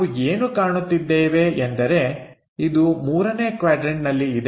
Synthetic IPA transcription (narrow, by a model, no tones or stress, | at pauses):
ueːnukaːɳut̪ːid̪ːeːʋe̞end̪ɐɾe̞ | id̪umuːɾɐne̞ːkʋaːɖɾeɳʈnɐlːiːd̪e